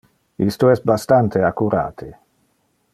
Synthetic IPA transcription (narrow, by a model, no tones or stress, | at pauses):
ist̪oɛst̪̚bast̪ant̪ʰeakuɾa̰ːt̪ʰe